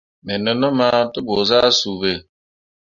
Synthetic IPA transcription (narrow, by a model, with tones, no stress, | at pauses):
mɛ˨nɔ˨nɔ˦ma˦to˦bo˨za˦su˨βe˦˨